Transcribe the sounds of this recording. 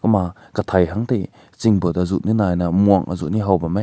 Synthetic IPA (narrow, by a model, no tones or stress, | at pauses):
kɐma | kɐt̪ʰajɦaŋt̪ej | t͡siŋbɯt̪̚azuʔninajnamuɐŋʔa̰zuʔniɦawbama